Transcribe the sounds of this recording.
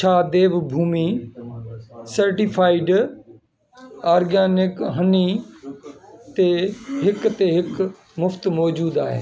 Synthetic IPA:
t͡ʃʰaːd̪eːʋbʱuːmi | sɐɾʈipʰaːɪɖ | aːɾɡaːnɪkɦəni | t̪eːɦɪkt̪eːɦɪk | mʊft̪mɔːd͡ʒuːd̪aːɦḛː

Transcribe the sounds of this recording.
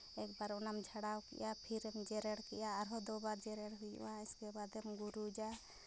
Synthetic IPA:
ɛkbaɾɔnamd͡ʒʱaɽawkɛ̰japʰiɾɛmd͡ʒɛɾɛɽkɛjaːɾɦɔd̪ɔbaɾd͡ʒɛɾɛɽɦuj̰ãɛskɛbad̪ɛmɡuɾud͡ʒa

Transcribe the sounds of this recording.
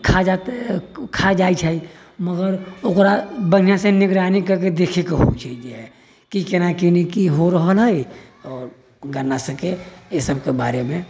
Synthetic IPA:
kʰad͡ʒat̪kʰad͡ʒaːit͡ʃʰai | məɡəɾokɾabən̤ijãsenɪɡɾaːnikɐɾk̬ed̪eːkʰekeɦo̰t͡ʃʰeid͡ʒɦɛ | kikenakinikiɦoɾəɦəlɦəi | ɔːɾ | ɡɐɾnasɐkejesəb̚kebaːɾemẽ

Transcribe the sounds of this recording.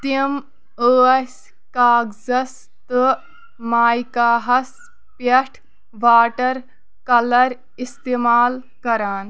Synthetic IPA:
t̪im | əːɐs | kaːɡzɐs | t̪ɨ | maːjkaːɦɐs | pɐʈʰ | ʋaːʈɐɾ | kɐlɐɾ | ist̪eːmaːl | kɐɾaːn

